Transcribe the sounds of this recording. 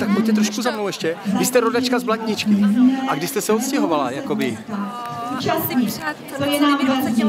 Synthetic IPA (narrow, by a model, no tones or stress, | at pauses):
t̪akmɛjt̪ɛt̪ɾoʃkuzamnowɛʃcɛvɪst̪ɛɾodat͡ʃkazblacɲɪt͡ʃkɪʔaɡdɪst̪ɛsɛot̪scɛɦo̞vala̰jako̞bɪ | t͡ʃasɲi | t̪ojɛnaːmɡazɲi